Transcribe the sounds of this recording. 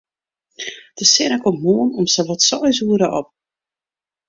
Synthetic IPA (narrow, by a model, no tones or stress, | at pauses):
d̥əsɪnəkommuənɔmsəʋɔtsɔjs̬uəɾəʔɔp̚